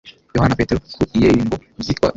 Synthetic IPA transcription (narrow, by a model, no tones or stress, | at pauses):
jɔhanapɛtɛɾɔkuijɛjimbɔzikwa̰